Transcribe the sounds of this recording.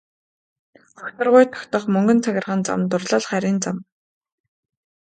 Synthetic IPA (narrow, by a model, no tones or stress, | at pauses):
ɔkʲt̪ə̆rʁʊjt̪ʰɔ̥kʲt̪ə̆χmɵŋɡɵ̆nt͡sʰæɣʲɪ̆rʁə̆nt͡sa̰mt̪ʊrɮə̆ɮχæɾʲiːnt͡sam